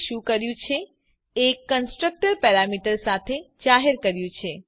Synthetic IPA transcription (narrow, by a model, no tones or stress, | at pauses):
ʃũkəɾjũt͡ʃʰe | ekːənsʈɾək̚ʈəɾpɛɾamiʈəɾsat̪ʰed͡ʒaɦeɾkəɾjũt͡ʃʰe